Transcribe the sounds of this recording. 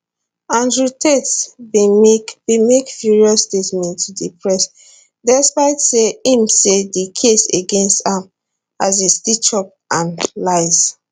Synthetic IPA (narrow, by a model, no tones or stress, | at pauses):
ãndɹutʰets | bimekfjuɹiɔstetmɛ̃ntʰudipʰɹɛs | dɛspaɪtseĩmsedikʰeseɡẽnstãm | azestit͡ʃɔp̚ʔãnlaɪz